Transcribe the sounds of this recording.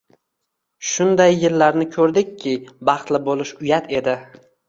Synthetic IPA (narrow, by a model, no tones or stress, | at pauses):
ʃʊnd̪ajːɪlːaɾnɪkʰɵɾd̪ɪkʲʰːɪbɑχt̪lɪbolˠɪʃʊjat̪ʰe̞d̪ɪ